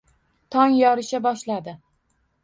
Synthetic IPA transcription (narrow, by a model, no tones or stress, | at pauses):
t̪ʰɒŋjɒɾɪʃabɒʃlad̪ɪ